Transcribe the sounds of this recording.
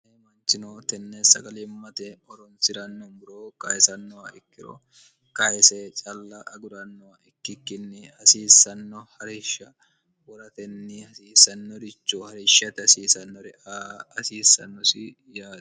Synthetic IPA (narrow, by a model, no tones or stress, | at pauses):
emɐnt͡ʃɪnoːt̪ɛnːesɐɡɐliːmɐt̪ɛɔɾɔnsɪɾɐnːɔmbʊɾoːkɐɛsɐnːɔɐɪkːɪɾo̰ | kɐɛseːt͡ʃʼɐlːɐʔɐɡʊɾɐnːɔɐʔɪkːɪkːɪnːɪɐsiːsːɐnːɔhɐɾɪʃɐ | wɔɾɐt̪ɛnːɪɐsiːsɐnːɔd̪ɪt͡ʃːohɐɾɪʃɐt̪ɛɐsiːsɐnːɔɾɛʔaːɐsiːsːɐ̰nːɔsɪ | jaːd̪ɐ̥